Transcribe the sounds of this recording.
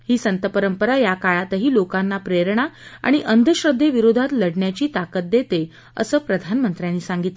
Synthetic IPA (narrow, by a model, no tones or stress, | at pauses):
hiːsənt̪əpəɾəmpəɾajakaɭat̪əɦiːlokanːapɾeɾɳ̃aa̰ɽ̃iʔənd̪ʱəɕɾəd̪ʱːeʋiɾod̪ʱat̪ləɽɳjat͡ɕiːt̪akət̪̚d̪et̪e | ə̰səːpɾəd̪ʱanmənt̪ɾjanːiːsaŋɡit̪le